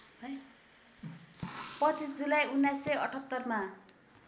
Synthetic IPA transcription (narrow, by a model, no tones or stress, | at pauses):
ʌj | pʌt͡sisd͡zulajunːajsːʌʌ̰ʈʰʌt̪ːʌrma